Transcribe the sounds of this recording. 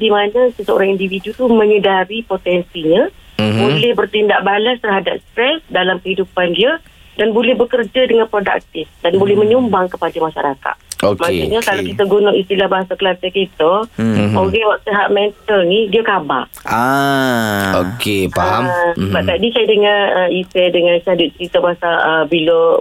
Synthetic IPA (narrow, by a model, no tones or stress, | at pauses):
dimanãsəsəo̰ɾaŋindividut̪umə̃ɲədaɾipot̪ɛnsiɲãbolɛhbərt̪indaʔ̚balast̪ərɦada̰p̚st̪ɾɛsdalamkəɦidupandia | danbolɛhbəkərd͡ʒadəŋanpɾoda̰k̚t̪ɪfdanbolɛhmə̃ɲumbaŋkəpadamaʃa̰ɾaka̰t̪̚okmaseɲakalakit̪aɡunʊʔist̪ilahbaɦasakəlat̪ikit̪əoɣɛwaʔ̚t̪eɦaʔ̚mɛnt̪əlnidiakaba̰ʔa | okepaɦambaʔt̪adisajadəŋarəisɛdəŋanisɦaduʔt͡ʃəɾit̪əbaɦasaəbilo